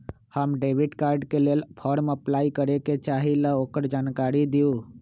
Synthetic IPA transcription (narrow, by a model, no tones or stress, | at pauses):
həmɖeːʋiɖkaːɾɖkeleːlpʰɔɾməplaːikəɾeket͡ʃaːɦiləoːkəɾd͡ʒaːnkaːɾid̪iu